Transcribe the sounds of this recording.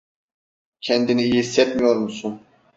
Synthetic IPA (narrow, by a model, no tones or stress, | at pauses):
cʰɛnd̪iniːjiisːɛt̪mijoɾmusun